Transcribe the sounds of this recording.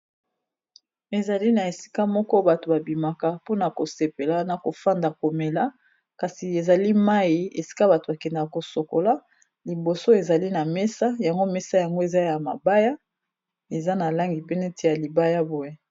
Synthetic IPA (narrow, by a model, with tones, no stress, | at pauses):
e˨za˨li˦na˨e˨si̥˦ka˦mɔ˦kɔ˦ba˨to˨ba˨bi˨ma˨ka˨po˦na˨ko˨se˨pe˨la˦na˨ko˨fa˦nda˨ko˨me˨la˦ | ka˨si˨e˨za˨li˦ma˦ji˨˦ḛ˨si̥˦ka˦ba˨to˨ba˨kɛ˨nda˨kko˨so˨ko˨la˦ | li˨bo˨so˦e˨za˨li˦na˨mɛ˦sa˦ja˨ŋɡo˦mɛ˦sa˦ja˨ŋɡo˦e˨za˦ja˨ma̰˨ba˦ja˦ | e˨za˦na˨la˦ŋɡi˨pe˦nɛ˦tʰi˨ja˨li˨ba˦ja˦bo˦e˦